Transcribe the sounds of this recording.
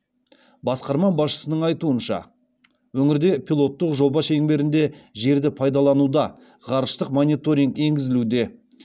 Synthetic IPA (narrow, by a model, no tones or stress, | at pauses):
bɑsqɑɾmɑbɑsʃə̥sənəɴɑjt̪uənʃɑ̰ | wɵŋɪɾd̪e̞pʰilˠo̞t̪ːəqʒo̞bɑʃe̞ŋbe̞ɾɪnd̪e̞ʒe̞ɾd̪ɪpʰɑjd̪ɑlˠɑnud̪ɑ | ʁɑɾəʃt̪əqmo̞nʲit̪o̞ɾʲiŋke̞ŋɡʲɪzɪlud̪e̞